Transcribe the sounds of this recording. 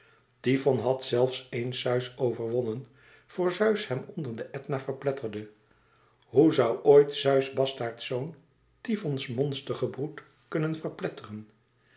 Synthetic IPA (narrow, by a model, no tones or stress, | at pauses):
tivɔnɦɑtsɛlˠfsejnsœɥsowvəɹʋɔnən | v̥ʊːɹzœɥshɛmɔndəɹdəʔɛtnavəɹplɛtəɹdə | ɦuzɑwʔojtsœɥsbɑstaːɹtsown | tivɔnsmɔnstəχəbrut | kɵnənvəɹplɛtərən